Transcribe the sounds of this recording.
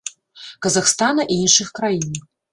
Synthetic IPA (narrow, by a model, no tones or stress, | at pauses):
kɐzaxst̪anɐʔiinʂɨxkɾajin